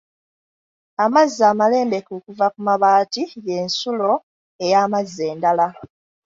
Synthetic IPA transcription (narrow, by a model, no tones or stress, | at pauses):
amazaːmale̞ːmbe̞kokuvakumaβaːtije̞ːnsulo̞ | e̞jaːmazːe̞ːndala